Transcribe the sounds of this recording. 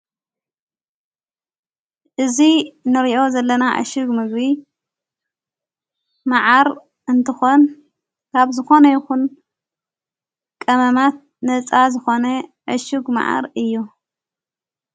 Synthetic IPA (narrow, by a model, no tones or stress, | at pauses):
ʔɨzinɨɾiʔo̞zɐlːɐnaʔɐ̰ʃɨɡmɨɡbi | maʕaɾ | ɨnt̪ʰɨxo̞n | kʰaβzɨxo̞nɐjɪxun | kʼɐmɐmat̪̚ | nɐt͡sʼazɨxo̞nɐʔɐʃɨɡma̰ʕa̰ɾɨjːu